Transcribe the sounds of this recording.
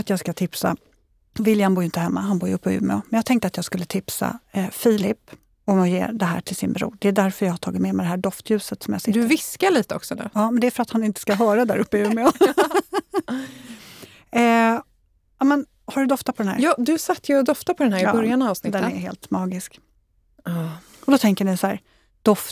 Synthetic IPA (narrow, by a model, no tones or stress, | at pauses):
at̪jɑːɡskat̪ʰɪpsa̰ | vɪljhanbuːjɪnt̪əɦɛmːaɦanbuːjɵpːɔjʉ̰ːmɛ̰ɔ̰mɛnjɑːɡt̪ʰɛŋkt̪əat̪jɑːɡskɵlːət̪ʰɪpsa̰fiːlɪpː | ɔmɔjḛːd̪ɛɦæ̰ːʈʰɪlsɪ̰nbɾṵːɖɛːd̪æɾfœɾjɑːɡhaʈ̪ʰɑːɡɪt̪mɛmɛd̪ɛɦæːɖɔft̪jʉ̟ːsət̪sɔmjɑ̰sɪd̪ɵːvɪskaɭiːt̪əɔ̰ksɔnʉ̰ːjɑːmɛnd̪ɛæfœɾat̪hanɪnt̪ə̥skaɦœːɾad̪æɾɵpːəjʉmɛɔ | ɑːmɛn | haɖɵd̪ɔft̪apʰɔd̪ɛnhæ̰ɾjɑːd̪ɵsat̪ːjɵɔd̪ɔft̪apʰɔd̪ɛnæːɾɪːbœɾjanaaːvsnɪd̪ɛnɛhḛːlt̪mɑːɡɪskː | ɔd̪ɔt̪ʰɛŋkəɳɪsæːɾ | d̪̥ɔf